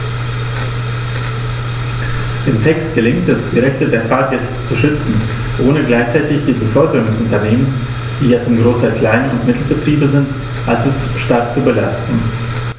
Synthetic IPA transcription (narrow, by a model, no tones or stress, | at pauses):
d̥ɪmtʰɛkst̚ɡ̥əlɪŋtɛsd̥iːʁɛçtədeːɐfaɐtɛs | t͡suʃʏt͡sn̩ | ʔoːnəɡlaɪçt͡saɪtɪçd̥iːbəfœɐdəʁʊŋsʊntɐneːmən | d̥iːjaːt͡sʊmɡʁoːsɐkl̥aɪnəʊntmɪtʰl̩bətʁ̥iːbəzɪnt | ʔalzo | ʃtaɐk̚t͡subəlastn̩